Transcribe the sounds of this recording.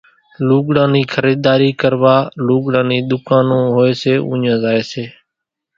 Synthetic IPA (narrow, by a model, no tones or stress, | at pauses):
luːɠɽãːniːkʰəɾiːd̪aːɾiːkəɾʋaːluːɠɽãːniːɗ̪ʊkaːnõːɦoːeːseːʔṵ̃ːɲãːzaːeːseː